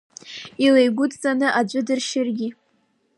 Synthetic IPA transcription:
ilejɡʷʊtt͡sʼanɨʔad͡ʒʷʼʊdɨrʃɪrɡʲɪ

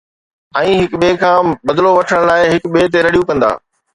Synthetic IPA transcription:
ɛ̃ːɦɪkɓeːkʰãːbɐd̪loʋɐʈʰəɽ̃laːɪɦɪkɓeːt̪̬eɾɐɽijũkɐ̃nd̪a̰ː

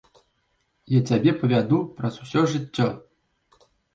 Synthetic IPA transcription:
jat͡sʲabʲepɐʋʲad̪uprɐzusʲɔʐɨtʲːɔ

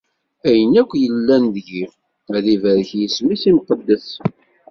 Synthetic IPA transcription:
æjənækʷːjəlːænðʝi | æðivæɾəçjəsmisimqəd̪ːəθ

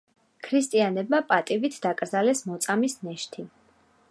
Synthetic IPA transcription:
kʰɾist̪ʼianɛb̚mapʼat̪ʼivit̪ʰd̪akʼɾd̪zalɛsmɔt̪sʼamisnɛʃt̪ʰi

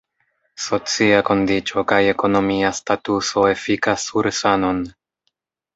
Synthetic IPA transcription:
so̞t͡siako̞ndit͡ʃo̞kajeko̞no̞miastatuso̞e̞fikasuɾsano̞n

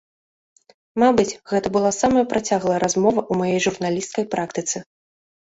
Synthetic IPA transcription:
mabɨt͡sʲɣɛt̪ɐbɨlˠasamɐjɐpɾʔat͡sʲaɣlˠɐjɐɾazmɔvɐʔumajɛjʐurnalʲist̪kɐjpɾʔakt̪ɨt̪sɨ

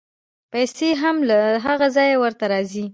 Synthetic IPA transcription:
pajseɦamlaɦaɣazɑjawəɾt̪aɾɑzi

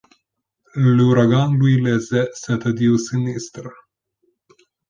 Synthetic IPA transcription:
luɾaɡanluilezesɛt̪əd̪iwsinist̪ɾ

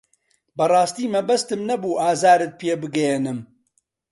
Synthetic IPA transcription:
bɐrˤɑːst̪iːmɐbɐst̪ɨmnɐbuːʔaːzaːɾɨt̪̚pʰeːbɨɡɛjenɨm

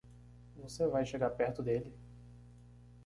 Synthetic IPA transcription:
vosevajʃeɡaɾpɛɾt̪ʊd̪elɪ

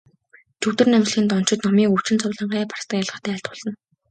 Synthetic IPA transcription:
t͡ɕʰɵwt̪ɘ̆rnæmt͡ɕ̆ɮxĭːnt̪ɔn̥t͡ɕɪ̆t̪nɔmiːkɵw̥t͡ɕɪ̆nt͡sʰʊːɮə̆ɴɢæːpʰar̥st̪ə̆kjaɮʁə̆χʰt̪æːɬt̪ʊɮə̆n

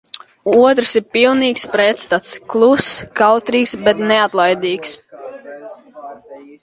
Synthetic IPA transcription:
uɔt̪ɾsiɾpilˠniːkspɾɛt̪st̪at̪sklˠuskawt̪ɾiːksbɛt̪neat̪lˠajd̪iːks

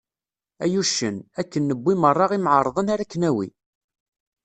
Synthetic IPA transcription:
æjuʃənækːənːəbːimərˤːɑʁimʕəɾˤðˤənaɾækːənæwḭ

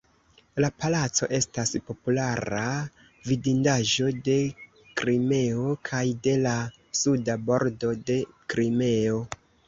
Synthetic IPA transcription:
lapalat͡so̞̰ʔe̞staspo̞pulaɾa | vidindaʒo̞de̞ | kɾime̞okʰajde̞la | sudabo̞ɾdo̞de̞kɾime̞o̞

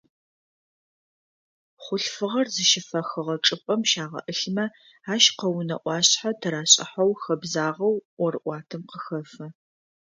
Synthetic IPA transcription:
χʷʊɬfɨʁɐrzɨʃɪfɐxɨʁɐʈ͡ʂʼɨpʼɐmʃaːʁɐ̰ʔɨɬmɐ | aːʃqɐwnɐ̰ʔʷɑːɕħatʰɐɾaːɕʼɪ̰ħɐwxɐbzaːʁɐwwɔɾɨʔʷɑːtʰɨmqəxɐfɐ

